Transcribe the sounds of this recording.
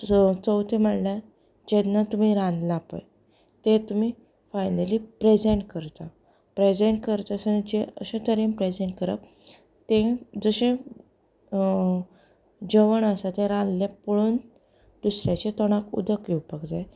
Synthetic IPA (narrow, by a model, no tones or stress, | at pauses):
t͡səwt̪ʰem̤əɽla | d͡ʑenːat̪um̤iɾãnlapə̰j | t̪ẽt̪um̤iː | fajnəlipɾed͡zeɳʈkəɾt̪a | pɾed͡zeɳʈ̚kəɾt̪asənd͡ʑeəɕẽt̪əɾĩnpɾed͡zeɳʈ̚kəɾa̰p | t̪ẽd͡zəɕẽ | d͡ʑəʋəɳəsat̪ẽɾãnlepuɭuːn | d̪usɾjat͡ɕet̪ɔɽ̃akṵd̪əkiwpəkd͡zaj